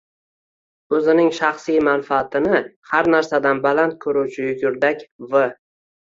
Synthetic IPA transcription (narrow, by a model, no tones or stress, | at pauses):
ɵzɪnɪŋʃaχsijmanfaːt̪ʰɪnɪhaɾnaɾsad̪anbalant̪̚kʰɵɾuwt͡ʃʰɪjʊkʲʰʊɾd̪akʲvɨ